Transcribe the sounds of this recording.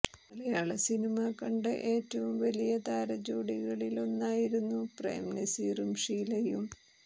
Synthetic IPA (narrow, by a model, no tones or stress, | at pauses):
ɐlejaːɭɐsinimaːkɐɳɖɨʔe̞ːtːɐʋumʋɐlijɐt̪aːɾɐd͡ʑoːɽiɣɐɭilo̞nːaːjiɾunːuprḛːmnesiːrumʂiːlɐjum